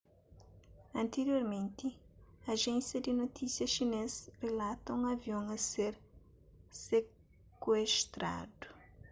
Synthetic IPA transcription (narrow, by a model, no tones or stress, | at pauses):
ɐ̃nt̪eɾjoɾmẽnt̪iɐʒẽnsjɐd̪inot̪isjɐʃinesrelat̪ɐũŋɐviõŋɐseɾ | se | kweʃt̪ɾa̰d̪u